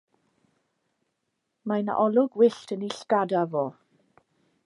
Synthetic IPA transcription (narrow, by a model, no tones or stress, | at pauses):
majna̰ʔɔlˠʊɡwɪɬtʰəniɬɡ̥adavɔː